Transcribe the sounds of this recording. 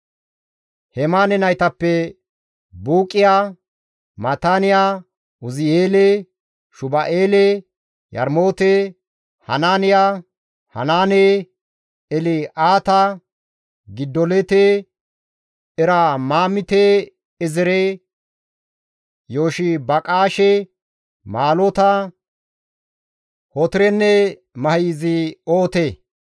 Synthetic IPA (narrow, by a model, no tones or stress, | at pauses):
hɛmaːnɛnɐjt̪ɐpːɛ | buːkʼːɪjaː | mɐt̪aːnɪja | ʊzɪjeːleː | ʃʊbɐʔeːle | jɐ̰ɾmo̞ːt̪e | hɐ̰naːnɪjaː | hɐ̰naːneː | ɛlɪʔaːt̪ɐ | ɡɪd̪ːɔlɛt̪e | ɛɾamaːmɪt̪e | ɛzɪɾe | joːʃɪbɐkʼaːʃɛ | maːlot̪ɐ | hɔt̪ɪɾɛnːɛ | mɐhiːzɪoːt̪eː